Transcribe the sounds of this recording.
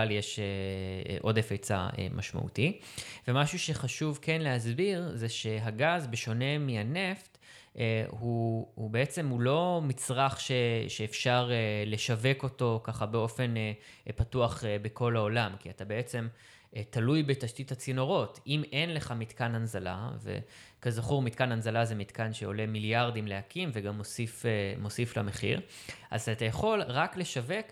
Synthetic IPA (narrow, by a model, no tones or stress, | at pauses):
aljeʃeʔo̞defet͡sa̰ḛmʔa̰ʃma̰ʔṵtive̞maʃuʃe̞χaʃuvkenlehazbiʁzeʃe̞ɦaɡazbeʃo̞ne̞miane̞ft | huhube̞et͡se̞mhulo̞mit͡sʁaχʃe̞ʃeːfʃaʁele̞ʃave̞ko̞to̞kaχabe̞o̞fe̞ne | patuaχebeko̞lao̞lamkiatabe̞et͡se̞m | talujbetaʃtithat͡sino̞ʁo̞time̞nle̞χamit̪kananzala̰ve̞̰ | kazaχuʁmitkananzalazemitkanʃeo̞le̞miljaʁdimleakimveɡamːosifemo̞sifla̰me̞χḭʁ | ʔa̰zatajaχo̞lʁakle̞ʃave̞k